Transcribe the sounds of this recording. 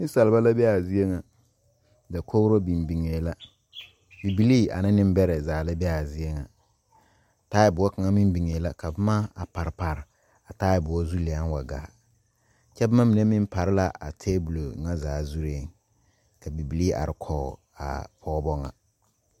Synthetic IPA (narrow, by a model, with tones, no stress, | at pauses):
nɪ˦sa˨lba˦la˦bɛ˦a˨zɪ˦e˦ŋa˨ | da˨kʰo˦wɾo˦bi˨m˨bi˨ŋe˨˦la˦ | bi˨bi˨liː˦˨a̰˨nɪ˦nɪ˦m˦bɛ˦ɾɛ˨zaː˨la˦bɛ˦a˨zɪ˦e˦ŋa˨ | taː˦ɪ˨bʊ˨˦ɔ˦ka˨ŋa˦mi˦m˦bi˨ŋe˨˦la˦ka˨bɪ˦ma˦a˨pa˨ɾɪ˨pa˨ɾɪ˨ | a˨taː˦ɪ˨bʊ˨ɔ˦zu˦lɛ˨a˦ŋ˦wa˨ɡa̰ː˨˦˨ | t͡ʃɛ˦bɪ˦ma˦mi˨ne˦mɪ˦m˦pa˨ɾɪ˦la˦ʔa̰˨tʰeː˦bu˨lo˨˦ŋa˦zaː˨zu˦ɾe˨˦ | ka˨bi˨bi˨li˦ʔa̰˨ɾɪ˨kʰɔ̰˦˨ | a̰˨pʰɔː˦bɔ˦ŋa̰˨